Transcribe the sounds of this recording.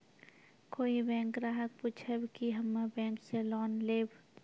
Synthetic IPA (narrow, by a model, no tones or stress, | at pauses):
koːibɛ̃ːŋkɾaːɦək̚puːt͡ʃʰəbkiɦɐmːabɛ̃ːŋkselɔːnleːb